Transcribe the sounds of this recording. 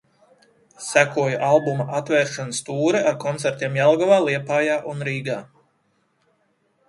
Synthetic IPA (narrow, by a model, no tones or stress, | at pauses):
sækuɔjuʔalˠbumaʔat̪vɛːɾʃanast̪uːɾɛʔaɾkɔnt̪sæɾt̪iɛmjalˠɡavaːlˠiɛpaːjaːʔunɾiːɡaː